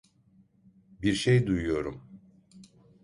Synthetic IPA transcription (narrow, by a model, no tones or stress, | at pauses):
biɾʃejd̪ujujo̞ɾum